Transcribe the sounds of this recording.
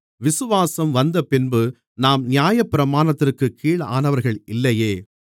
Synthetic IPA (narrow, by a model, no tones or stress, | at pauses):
ʋɪsɯʋaːsɐmʋɐnd̪ɐpɪnbɯ | naːmnɪjaːjɐpːɪɾɐmaːnɐt̪ːɪrkɯkʰːiːɭa̰ːnɐʋɐɾɣɐɭʔɪlːɐjeː